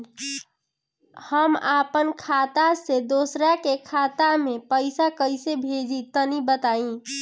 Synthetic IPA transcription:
həmapənkʰat̪ased̪oːsɾakekʰat̪amẽpəɪsakəɪsebʱed͡ʒit̪ənibət̪aĩ

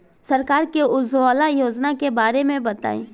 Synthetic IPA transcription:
sɐɾkaːɾkeʊzʋaːlajoːd͡ʒnakebaːɾemẽbɐt̪a̰ːḛ̃ː

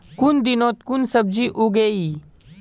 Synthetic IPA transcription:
kʊnd̪ɪnõːt̪̚kʊnsəb̚d͡ʒiːʔuɡeːiː

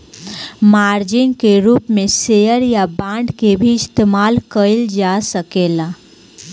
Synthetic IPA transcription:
maːɾd͡ʒɪnkeɾuːpmẽsejəɾjabãːɳɖkebʱiɪst̪eːmaːlkəɪld͡ʒasəkeːlaː

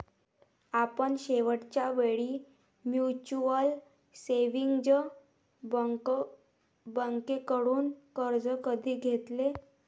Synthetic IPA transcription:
apəɳɕeʋəʈt͡ɕjaʋeɭiː | mjut͡ɕuəl | seʋiŋɡd͡ʑə | bəŋkekəɽuːnkəɾd͡zəkəd̪ʱiːɡʱet̪le

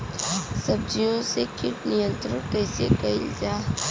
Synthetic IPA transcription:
sɐb̚d͡ʒijõsekʰɪʈnɪjə̃nt̪ɾənkɛːsekɐɪld͡ʒaː

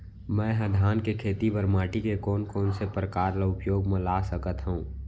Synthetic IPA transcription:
mɛ̃ːɦɐd̪ʱaːnkekʰeːt̪iʋəɾmaːʈikekɔːnkɔːnsepɾəkaːɾlaʊpjoːɡmẽlaːsəkət̪ɦũː

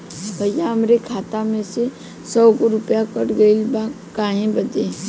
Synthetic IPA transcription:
b̥ʱəjãəmɾekʰaːt̪amẽse | sɔːɡoɾʊpjakəʈɡəilba | kaːɦẽbəd̪ẽ

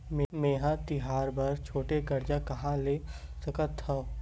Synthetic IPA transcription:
mmeːɦãt̪ɪɦaːɾbɐɾt͡ʃʰoːʈeɡɐɾd͡ʒakɐɦãleːsɐkət̪ʰːɐ

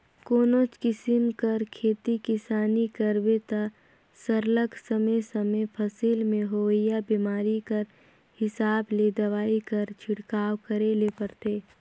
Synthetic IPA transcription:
koːnot͡ʃkɪsɪmkəɾkʰeːt̪ikɪsaːnikəɾbet̪a | səɾləɡsəməjsɐmepʰɐsiːlmẽɦoːɪjabiːmaːɾikəɾ | hɪsaːbleːd̪ɐʋaːikɐɾt͡ʃʰɪɽkaːwkəɾelepəɾt̪ʰeː

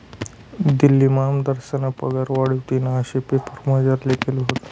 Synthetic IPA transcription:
d̪ilːimamd̪əɾɕənapəɡaɾʋaɽut̪inaəɕepepəɾməd͡ʑaɾlekʰelɦot̪

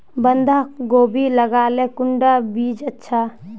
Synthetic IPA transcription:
bənd̪ʱaɡoːbiləɡaːlekʊɳɖabiːd͡ʒətːʃʰa

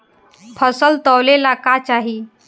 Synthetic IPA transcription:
pʰəsəlt̪əwlelakat͡ʃaɦi

